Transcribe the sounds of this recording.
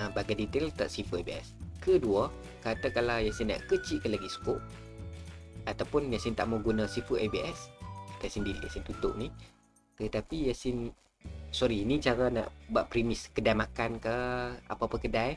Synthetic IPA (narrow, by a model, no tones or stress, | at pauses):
baɡajdit̪elt̪a̰ʔsifəabiɛ̰skəduə | kat̪akalawjasinːa̰ʔkət͡ʃiʔkəlaɡisə̥kʊʔ̚ | at̪awpʊnjasɪnt̪a̰ʔmaɡunasifəʔajbiɛsat̪ajsindilḭja̰sint̪ut̪ʊ̰ʔni | t̪ət̪apijasɪn | sɔɾinit͡ʃaɾana̰ʔbuaʔpɾimɪskədajmakankəa̰papəkədaj